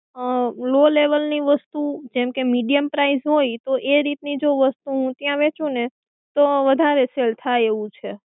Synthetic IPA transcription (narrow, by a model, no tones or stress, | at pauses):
əloleʋəlniʋəst̪ud͡ʒɛmkemiɖijəmpɾaizɦojt̪oʔeɾit̪nid͡ʒoʋəst̪uɦũt̪jãʋet͡ʃʰũne | t̪oʋəd̪ʱaɾeselt̪ʰajeʋũt͡ʃʰe